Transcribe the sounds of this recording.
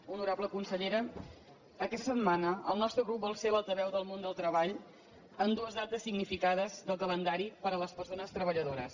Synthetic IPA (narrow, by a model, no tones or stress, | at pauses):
unuɾabləkunsəʎeɾə | əkɛst̪ə̥sət̪manəəlˠnɔst̪ɾəɣɾup̚bɔlˠselalˠt̪əβɛwðəlˠmond̪əlˠt̪ɾəβaʎ | ənd̪uəzðat̪əsiɡnifikaðəzðəlˠkələnd̪aɾipəɾələspərsonəst̪ɾəβəʎəðoɾəs